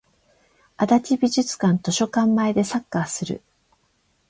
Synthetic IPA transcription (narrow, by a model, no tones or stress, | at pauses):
ad̪at͡ɕibʲiʑɨt͡sɨ̥kãnt̪o̞ɕo̞kãmːaed̪e̞sakːasɨɾɯ̰